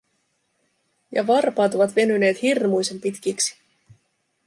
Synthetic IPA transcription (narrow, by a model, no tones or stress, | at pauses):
jɑ̰ʋɑrpɑːt̪o̞ʋɑt̪ʋe̞nyne̞ːt̪hirmujse̞mpit̪k̟iksi̥